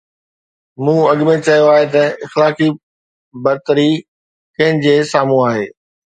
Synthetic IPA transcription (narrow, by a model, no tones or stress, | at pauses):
mũːɐɠmẽt͡ɕɐjoaːɦet̪ɐɪxlaːki | bɐɾt̪əɾi | kɐ̃ɦɪ̃nɪ̆d͡ʑeːsaːmũaːɦḛː